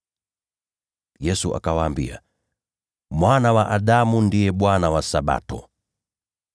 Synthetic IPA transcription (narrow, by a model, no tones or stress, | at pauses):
jɛsuʔa̰kawaːmbḭa̰ | mwanawaʔaɗamundijɛɓwanawasaɓa̰tɔ̰